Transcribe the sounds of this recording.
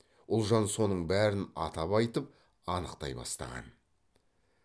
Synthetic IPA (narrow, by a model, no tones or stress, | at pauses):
ʊlˠʒɑnso̞nəɴbæɾɪnɑ̰t̪ɑpɑjt̪əp̚ | ɑnəqt̪ɑjbɑ̰st̪ɑ̰ʁɑ̰n